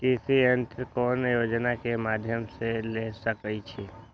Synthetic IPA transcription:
ʈisient̪ɾkɔnjod͡ʒnakemad̪ʱjəmselesəkət͡ʃʰe

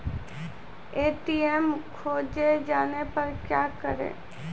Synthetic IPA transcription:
eːʈiɛmkʰoːd͡ʒed͡ʒaːnepɐɾkjaːkəɾḛː

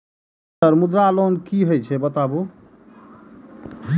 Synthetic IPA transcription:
əɾmud̪ɾaːlonkiɦojt͡ʃʰɛbət̪abu

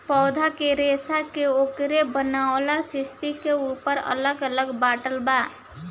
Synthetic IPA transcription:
pɔːd̪ʱakeɾesakeokɾebənawlasɪst̪ikeupəɾə̰ləɡələɡbaʈəlba

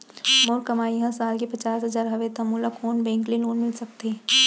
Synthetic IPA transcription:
moːɾkɐmaːiɦɐ̃saːlkepɐt͡ʃaːsɦɐzaːɾɦɐʋet̪ɐmuːlakʰoːnbɛ̃ːŋkleloːnmɪlsɐk̚t̪eɛ

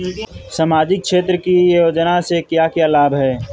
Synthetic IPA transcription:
samaːd͡ʒɪk̚ʃeːt̪ɾəkijjoːd͡ʒənasekjakjalaːbɦɛː

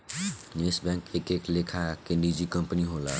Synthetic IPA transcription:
nesbãŋkekeklekʰakenɖid͡ʒikəmpniɦola̰

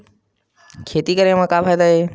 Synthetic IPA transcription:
kʰeːt̪iːkəɾẽːmãːkaːpʰaːjd̪aːɦeː

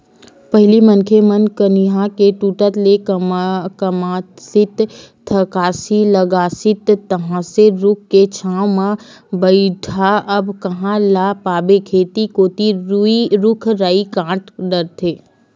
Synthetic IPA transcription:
pɛɦɪlimənkʰemənkəniɦãkeʈuːʈət̪le | kəma | sɪt̪t̪ʰəkaːsiləɡaːsɪt̪ːəɦãseɾʊkʰket͡ʃʰaːwmã | bəiʈʰaʔɐbkɐɦãlapaːbekʰeːt̪ikoːt̪iuiɾʊkʰɾaːikãːʈɖəɾt̪ʰeː

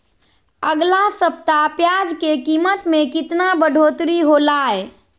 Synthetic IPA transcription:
əɡlasəpt̪apjad͡ʒkekimət̪mekit̪nabəɖʱot̪ɾiɦolae

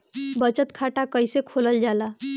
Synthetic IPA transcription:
bət͡ʃət̪kʰaʈakəjsekʰoləld͡ʒala

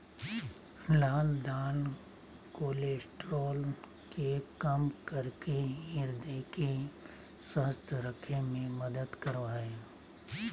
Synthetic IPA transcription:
laːld̪aːn | koːleːsʈɾɔːl | kekɐmkɐɾkeɪɾd̪eke | səɦəst̪ʰəɾəkʰemẽmɐd̪əd̪kɐɾʋaːeː

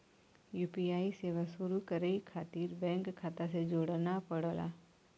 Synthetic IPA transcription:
juːpiaːiseːʋasuɾukəɾeikʰaːt̪iːɾbɛ̃ːŋkkʰːaːt̪as̬ed͡ʒoːɽnapəɽola̰

